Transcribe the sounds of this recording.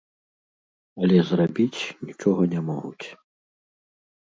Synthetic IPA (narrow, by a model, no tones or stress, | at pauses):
ɐlʲɛzrabʲit͡sʲnʲit͡ʂɔɣɐnʲɛmɔɣṵt͡sʲ